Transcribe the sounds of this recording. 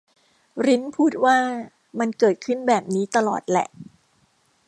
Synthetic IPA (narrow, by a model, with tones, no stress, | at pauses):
ɾi˦˥npʰuː˥˩t̪̚waː˥˩ | ma˧nkɤː˨˩t̪̚kʰɯ˥˩nbɛː˨˩p̚niː˦˥t̪a˧lɔ̰ː˨˩t̪̚lɛ̰˨˩ʔ